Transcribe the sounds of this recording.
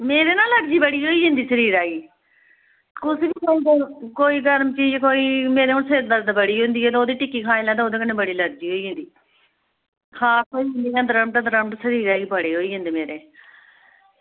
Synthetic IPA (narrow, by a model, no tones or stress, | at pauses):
meːɾeːnaːləɾd͡ʒiːbəɽiːɦoːiːʊ̃nd̪iːsəɾiːɾaːɡiː | kʊsʋiːkoːiːɡəɾkoːiːɡəɾmt͡ʃiːd͡ʒkoːiːmeːɾeːʊnseɾd̪əɾd̪bəɽiːɦʊ̃ːnd̪iːɛːt̪ːoːd̪iːʈɪkːiːkʰaːɪlãːd̪eoːd̪eːkənẽːbəɽiːləɾd͡ʒiːɦoːiːɦʊ̃nd̪iː | kʰaːsoːiːɦnd̪iːãːd̪ɾəmʈːd̪əɾəmʈsəɾiːɾaːɡiːpəɽeːɦoːiːɦʊ̃nd̪eːmeːɾeː